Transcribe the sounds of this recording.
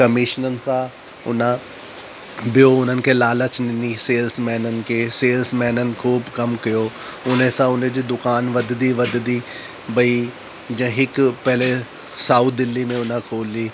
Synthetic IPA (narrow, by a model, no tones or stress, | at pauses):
kɐmɪːʃnənɪ̆sã | ʊ̰nã | bʱɪjoʊn̤ənɪ̆kʰeːlaːlət͡ɕnɪniseːlsmɛːnənɪ̆kʰeːseːlsmɛːnənɪ̆kʰuːbkɐmkijo | ʊn̤esãʊnẽd͡ʑiːd̪ʊkaːnʋɐd̪d̪iʋɐd̪d̪i | bɐi | d͡ʑɐ̃ɦɪkpɛɦle | saːut̪ʰd̪ɪlːimẽʊn̤ãkʰoːliː